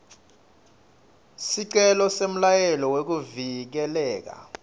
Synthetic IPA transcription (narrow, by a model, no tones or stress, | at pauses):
siǀɛlɔsem̩lajɛlɔwek̬uvik̬ɛlɛːk̬a̰